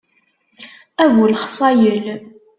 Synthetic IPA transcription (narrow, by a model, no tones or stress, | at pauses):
ævulχsˤɑjəl